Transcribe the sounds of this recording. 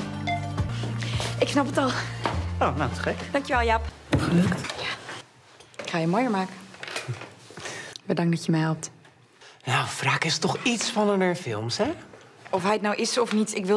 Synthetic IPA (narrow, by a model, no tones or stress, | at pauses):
ɪksnapətɔlˠownasχɛkdɑŋkjəʋɛlˠjapχəløktja | kχaːjəmojəɹmaːkə | bədaŋk̚dɔtjəmɛɦɛlˠp̚t | nawfrakɪstɔxitsfɑnəndəɹfɪlˠmsɛɔfɦɛjətnawʔɪsɔfnitɪkʋɪ